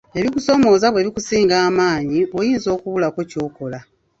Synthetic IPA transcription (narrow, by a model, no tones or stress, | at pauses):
e̞βikuso̞mo̞ːzaβwe̞ːβikusiːŋɡaːmaːɲiβwojiːnzo̞ːkuβulakeco̞ːko̞la